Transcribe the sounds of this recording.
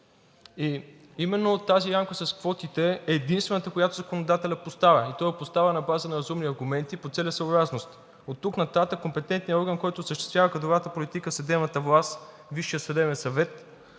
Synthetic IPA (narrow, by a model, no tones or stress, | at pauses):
i | imɛnːot̪aziɾamkəsɐskvɔt̪it̪ɛɛːd̪inst̪vɛnət̪əkojat̪ozɐkonod̪at̪ɛlʲəpost̪avɐit̪ɔɛpost̪avənɐbazənɐɾɐzumniɐɾɡumɛnt̪ipot̪sɛlʲəsəːbɾasnost̪ | ot̪ːuknɐt̪at̪əkːompɛt̪ɛnt̪nijəɔɾɡənkɔjt̪oːsəʃt̪ɛ̥st̪vʲjavəkɐd̪ovat̪əpolit̪ikəfsɐd̪ɛbnət̪əvlˠast̪ | viʃːijəsɐd̪ɛbɛnsɐvɛt̪